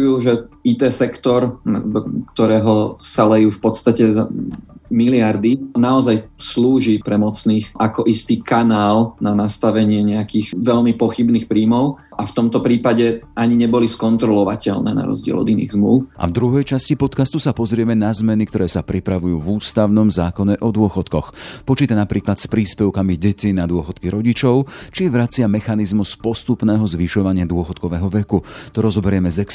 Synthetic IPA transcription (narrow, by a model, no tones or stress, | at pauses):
juːʒɛit̪ɛːsɛkt̪ɔɾnad̪ɔkt̪ɔɾɛːɦɔsalɛjuːfpɔt̪st̪acɛzamilɪaɾd̪inaɔzajsluːʒipɾɛmɔt͡sniːxʔakɔʔist̪iːkanaːlnanast̪aʋɛɲɪɛɲɛakiːɣʋɛʎmipɔxibniːxpɾiːmɔʊ | ʔaft̪ɔmt̪ɔpɾiːpaɟɛʔaɲiɲɛbɔliskɔnt̪ɾɔlɔʋacɛlnɛ̰ːna̰ɾɔ̰zɟɪɛ̰lɔ̰d̪inḭːɣzmluʊʔa̰vd̪ɾuɦɛjt͡ʃascipɔt̪kast̪usapɔzɾɪɛmɛnazmɛnik̚t̪ɔɾɛːsapɾipɾaʋujuːvuːst̪aʊnɔmzaːkɔɲɛʔɔd̪ʊɔxɔt̪kɔxpɔt͡ʃiːt̪anapɾiːklat̪spɾiːspɛʊkamiɟɛcinad̪ʊɔxɔt̪kiɾɔɟit͡ʃɔʊt͡ʃiʋɾat͡sɪamɛxanizmuspɔst̪upnɛːɦɔzʋiʃɔʋaɲɪad̪ʊɔxɔt̪kɔʋɛːɦɔʋɛkut̪ɔɾɔzɔbɛɾɪɛmɛzɛks